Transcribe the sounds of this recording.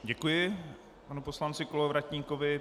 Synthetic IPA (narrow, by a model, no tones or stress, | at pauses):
ɟɛkujɪ | panupo̞slant͡sɪkolovɾacɲiːkovɪ